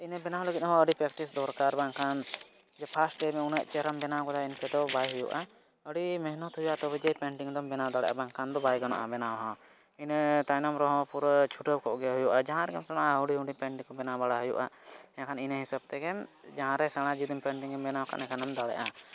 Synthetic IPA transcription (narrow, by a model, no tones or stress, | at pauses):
inəbɛnawləɡit̪̚ɔɦɔ̃əɖipɾɛkʈisd̪ɔɾkaɾbaŋkʰan | d͡ʒɛpʰasʈːɛmɛunɛʔt͡ʃɛɾambɛnakɔd̪ainkɛd̪ɔbajɦujṵʔa | əɽimɛɦnɔt̪ɦujuʔaʔt̪ɔbɛd͡ʒɛjpɛɳʈiŋd̪ɔmbɛnad̪aɽɛ̰ʔa̰baŋkʰand̪ɔbajɡɔnɔ̰ʔabɛnawɦɔ̃ | int̪ajnɔmɾɔɦɔ̃puɾt͡ʃʰuʈəb̚kʰɔʔɡɛɦujuʔad͡ʒaɦãɾɛɡɛmsaɽ̃auɖiɦũɖipɛɳʈiŋkɔbɛnabaɽaɦujṵʔa̰ɛãkʰaninəɦisab̚t̪ɛɡɛmd͡ʒaɦãɾɛsaɽ̃ãd͡ʒid̪impɛɳʈiŋɡɛmbɛnawkʰa̰nɛ̃kʰanamd̪aɽɛ̰ʔa